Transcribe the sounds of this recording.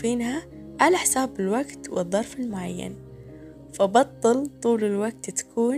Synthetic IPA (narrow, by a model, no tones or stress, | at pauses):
fiːnhaʕalaħɪsaːbɪlwaɡt̪wɨðˤːɑɾˤfɪlmʊʕajːa̰n | fabɑt̪ˤːɨlt̪ˤuːlɪlwaɡ̚t̪t̪ḁkʰuːn